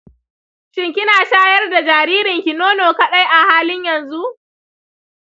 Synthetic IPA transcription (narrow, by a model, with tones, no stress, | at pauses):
ʃɪ˦ŋkʲɪ˦naː˨ʃaː˦jɐ˦rda˨d͡ʒaː˨ɾiː˦ɾɪ˨ŋkʲi˨noː˦noː˨kɐ˦ɗa˦jʔa˨haː˦lɪ˦ɲjɐ˨nzu˦ʔ